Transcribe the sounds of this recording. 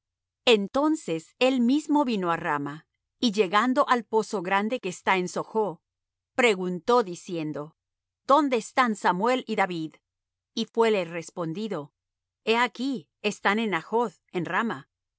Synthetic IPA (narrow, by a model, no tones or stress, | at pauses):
e̞nt̪o̞nse̞se̞lmizmo̞βino̞arama | iʝe̞ɣand̪o̞ʔalpo̞so̞ɣɾand̪e̞keːst̪ae̞nso̞xo̞ | pɾe̞ɣunt̪o̞ðisje̞nd̪o̞ | d̪̥o̞nd̪e̞ːst̪ansamwe̞liðaβið | ifwe̞lere̞spo̞nd̪iðo̞ | e̞aki | est̪ane̞naxo̞ð | enrama